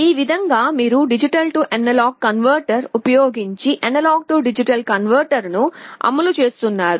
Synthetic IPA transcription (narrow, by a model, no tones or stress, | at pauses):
iːʋid̪ʱɐŋɡaːmiːɾuɖid͡ʒiʈɐlʈuʔɐnɐlaːɡkːɐnʋɐɾʈɐɾupɐjo̞ːɡiɲt͡ʃiʔɐnɐlaːɡ̚ʈuɖid͡ʒiʈɐlkɐnʋɐɾʈɐɾnuɐ̰mɐlut͡ʃe̞ːst̪unːaːɾu